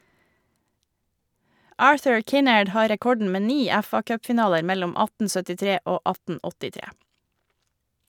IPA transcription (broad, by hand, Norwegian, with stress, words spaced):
ˈɑːɹθʉɹ ˈkɪnɛɖ ˈhɑː ɾɛˈkɔɖɳ̩ ˈmeː ˈniː ˈɛfɑkœpfɪˌnɑːləɾ ˈmɛlʊm ˈɑtn̩ sœtɪˈtɾeː ˈoː ˈɑtn̩ ɔtɪˈtɾeː